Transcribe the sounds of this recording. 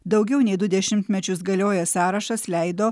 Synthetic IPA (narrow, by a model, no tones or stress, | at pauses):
d̪ɒʊɡʲɛʊnʲɛɪd̪ʊd̪ʲɛʃʲɪmʲt̪ʲmʲɛt͡ʃʲʊsɡɐlʲoːjɛsɑːɾɐʃɐslʲɛˑɪd̪oː